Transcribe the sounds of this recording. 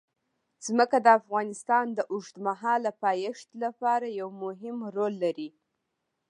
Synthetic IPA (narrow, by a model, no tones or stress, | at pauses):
z̥məkad̪əafɣɑnɪst̪ɑnd̪əʔʊʐt̪maɦɑlapɑjɪʂt̪lapɑɾajawmʊɦɪmɾolːaɾi